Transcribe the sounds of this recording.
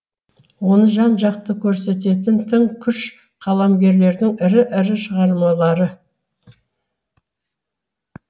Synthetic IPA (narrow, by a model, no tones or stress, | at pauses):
wo̞nəʒɑnʒɑq̚t̪əkʲʰɵɾse̞t̪e̞t̪̬ɪnt̪ʰɪŋkʲʰʏʃ | qʰɑlˠɑmɡʲe̞ɾle̞ɾd̪ɪŋɪɾɪʔɪɾɪʃəʁɑɾmɑlˠɑɾə